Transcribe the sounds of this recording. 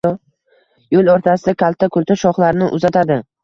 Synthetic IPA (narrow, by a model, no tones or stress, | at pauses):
jolˠoɾt̪ʰasɪd̪akʲʰalˠt̪ʰakʰɵlt̪ʰaʃɒχlaɾnɪʔʊzat̪ʰad̪ɪ